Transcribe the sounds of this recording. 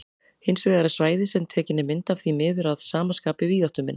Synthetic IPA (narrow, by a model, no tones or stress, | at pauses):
hɪnsvɛːɣaɾɪɾ̥svaːjðɪsɛmt̪ʰɛːcɪnːɪmɪnt̪av̥θimɪːðʏɾaðsaːmanskaːpɪviːðaht̪ʏmɪ̰nː